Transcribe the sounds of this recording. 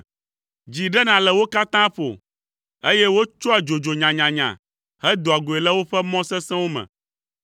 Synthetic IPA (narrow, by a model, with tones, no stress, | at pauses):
d͡ʑi˨ɖɛ˦nã˨lɛ˨wo˦ka˦t̪ã˦ɸo̰˨ | e˦jɛ˦wo˦t͡ʃɔ˦ɛ˨d͡ʒo˨d͡ʒo˨ɲã˨ɲã˨ɲã̰˨ | hɛ˦d̪o˨a˨ɡo˨e˨lɛ˦wo˦ɸɛ˦mɔ̃˦sɛ˦sɛ̃˦wo˦mɛ̰̃˨